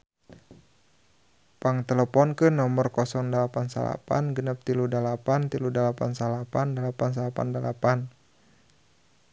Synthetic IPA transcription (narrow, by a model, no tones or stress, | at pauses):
paŋt̪ɛləpɔnkənɔmərkɔsɔŋdalapansa̰la̰pa̰nɡənap̚t̪iludalapant̪iludalapansalapandalapans̬alapa̰ndalapan